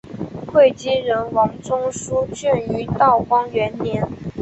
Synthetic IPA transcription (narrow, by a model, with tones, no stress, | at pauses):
kʰwe˥˩ɪt͡ɕi˥ɻə˧˥nwɑ˧˥ŋt͡sʊ˥ŋʂu˥t͡ɕɛ˥˩ny˧˥t̪ɑ˥˩ʊkwɑ˥ŋɥɛ˧˥nnjɛ˧˥n